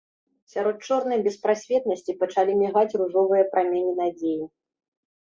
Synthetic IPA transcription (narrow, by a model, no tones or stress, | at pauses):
sʲaɾɔt̪̚t͡ʂɔrnɐjbʲɛspɾasʲvʲɛt̪̚nɐsʲt͡sʲipɐt͡ʂalʲimʲiɣat͡sʲruʐɔvɨjɐpɾamʲɛnʲinad͡zʲeji